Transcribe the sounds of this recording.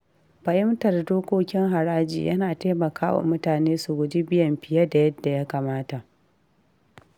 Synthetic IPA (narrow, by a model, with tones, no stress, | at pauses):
ɸɐ˨ʔɪ˦mtɐ˨rdoː˦kʷoː˦kʲɪ˦ŋɦa˨ɾaː˦d͡ʒḭː˨jʔɐ̰˦naː˨ta˦mɐ˨kʰaː˦wa̰˨mʊ˦taː˨neː˦su˨ɡʷʊ˨d͡ʒi˦bɪ˦jɐ˨mɸɪ˨jɐ˦da˨jɐ˦dːa˨ja˦kaː˨maː˦ta˨ʔ